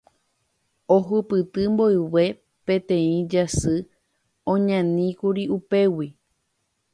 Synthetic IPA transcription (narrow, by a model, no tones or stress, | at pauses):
oɦɨpɨt̪ɨmboewe̞ | pẽ̞t̪ẽ̞ĩd͡ʒasɨ | õɲãnĩkuɾiupe̞wi